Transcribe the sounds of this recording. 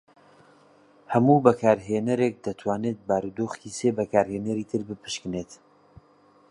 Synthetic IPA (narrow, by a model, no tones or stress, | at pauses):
hɐmuːbɐkʰaːɾɦeːnɐɾeːk̚d̪ɐt̪ʰwaːneːt̪̚baːɾud̪oːxiseːbɐkʰaːɾheːnɐɾiːt̪ʰɨɾbɨpʰɨ̥ʃkɨnet̪